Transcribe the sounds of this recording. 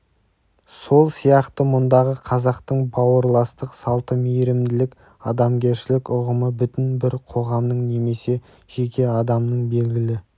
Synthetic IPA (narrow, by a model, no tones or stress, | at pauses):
so̞lˠsijɑqt̪əmʊnd̪ɑʁəqʰɑzɑqt̪əɴbɑwəɾlˠɑst̪əqsɑlˠt̪əmijɾɪmd̪ɪlɪkʲ | ɑd̪ɑmɡʲe̞ɾʃɪlɪkʊʁəməbʏt̪ɪnbɪɾqʰo̞ʁɑmnəɴne̞me̞se̞ | ʒ̥e̞kʲe̞ɑd̪ɑmnəɴbe̞lɡʲɪlɪ